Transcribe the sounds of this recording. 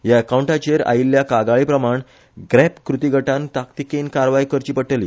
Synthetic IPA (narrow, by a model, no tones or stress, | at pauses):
jaekawɳʈat͡ɕeɾa̰iljakaɡaɭipɾəmaɳ | ɡɾɛpkɾut̪iɡʱəʈãnt̪akt̪ikenkaɾʋajkəɾt͡ɕiːpəʈəliː